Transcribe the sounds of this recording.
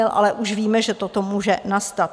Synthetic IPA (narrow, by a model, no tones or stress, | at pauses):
ɛlʔa̰lɛʔuʃviːmɛʒɛt̪ot̪o̞muːʒɛnast̪at̪̚